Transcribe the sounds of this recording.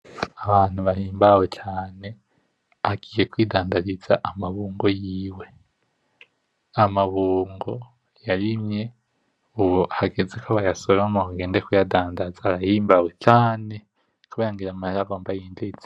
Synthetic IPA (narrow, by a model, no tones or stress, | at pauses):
aβaːn̥uβahiːmbawet͡ʃaːne̞ | aɡiːje̞kwiːdaːndaɾizaʔamaβuːŋɡo̞jiːwe̞ | amaβuːŋɡo̞ | jaɾimje̞ | uβohaɡezekʰaβajasolomohuɡe̞ːndekujadaːndazaɾahiːmbawe̞t͡ʃaːne̞ | kuβajaŋɡiɾamaeaɡo̞ːmbajiːnd͡ʒeit͡s